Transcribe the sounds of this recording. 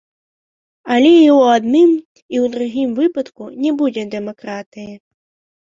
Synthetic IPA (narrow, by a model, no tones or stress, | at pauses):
alʲɛiwad̪nɨm | iwd̪ɾuɣʲimvɨpɐt̪kunʲɛbud͡zʲɛd̪ɛmɔkɾat̪ɨjɛ